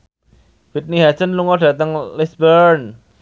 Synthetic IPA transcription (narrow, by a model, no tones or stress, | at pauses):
fit̪̚niɦasənluŋɔɖ̥ä̤t̪əŋlisbəɾn